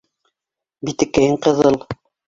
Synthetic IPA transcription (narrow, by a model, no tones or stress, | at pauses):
bit̪ɘ̆kːæjɘɴqɤ̆ðɤlˠ